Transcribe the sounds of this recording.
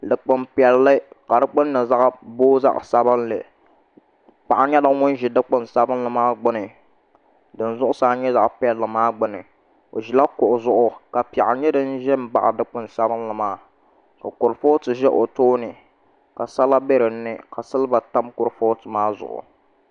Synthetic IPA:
dɨ˨k͡pɨ˦mpi˨ɛ˨lːɨ˦ka˨dɨ˦k͡pʊ˦nː˦ɨ˨za˦ʔboː˦za̰˦ʔsa˦bɨ˦nlɨ˨ | pa˨ʔa˨ɲɛ˦dɨ˦ŋʊ˦n˦ʒi˨dɨ˦k͡pʊ˦nsa˦bɨ˦nlɨ˨maː˦ɡ͡bʊ˦nɨ˨ | dɨ˨n˦zʊ˦ʔʊ˦saː˦ɲɛ˦za˨ʔpɛ˨lːɨ˨maː˦ɡ͡bʊ˦nɨ˨ | o̰˨ʒi˨la˦kʊ˨ʔʊ˨zʊ˦ʔʊ˦ka˨pi˨a˨ʔa˨ɲɛ˦dɨ˦n˦ʒɛ˦m˦ba̰˨ʔa̰˨dɨ˦k͡pʊ˦nsa˦bɨ˦nlɨ˨maː˦ | ka˨kʊ˨ɾfo˦tɨ˨ʒɛ˦ʔo˨toː˦nɨ˨ | ka˨sa˦la˦be˦ɾɨ˨nːɨ˦ka˨sɨ˦lɨ˦ba˨ta˦mkʊ˨ɾfo˦tɨ˨maː˦zʊ̰˨ʔʊ̰˨

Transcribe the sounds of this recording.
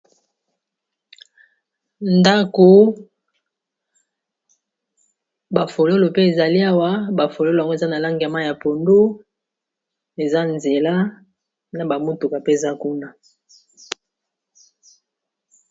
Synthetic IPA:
nda˦ko˨ | ba˨fo˨lo˦lo˨pe˦e˨za˨li˦a˦wa˦ba˨fo˨lo˦lo˨ŋɡo˦e˨za˦na˨la˦ŋɡa˨ma˦ja˨po˨ndo˦ | e˨za˦nze˨la˦ | na˨ba˨mo˦tu˨ka˨pe˦e˨za˦ku˦na˦

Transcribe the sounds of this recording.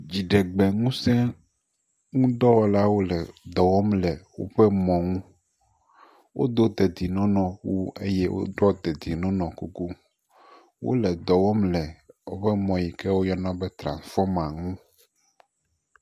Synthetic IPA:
d͡ʑi˨ɖe˨ɡ͡bɛ˨ŋũ˦sɛ̃˦ | ŋũ˦d̪ɔ˦wɔ˨la˦wo˦lɛ˨d̪ɔ˨wɔ˦mlɛ˨wo̰˦ɸɛ˦mɔ̃˨ŋũ˦ | wʔo̰˦d̪o˦d̪e˨d̪i˨nɔ̃˦nɔ̃˨wu˦ḛ˦je˦wʔo̰˦ɖɔ˦d̪e˨d̪i˨nɔ̃˦nɔ̃˨ku˦ku˦ | wʔo̰˦lɛ˨d̪ɔ˨wɔ˦mlɛ˨wo̰˦ɸɛ˦mɔ̃˨ji˨kɛ˦wo˦jɔ˦nɔ̃˦be˦t̪ɾã̰˨sfɔ˦mã˨ŋũ˦

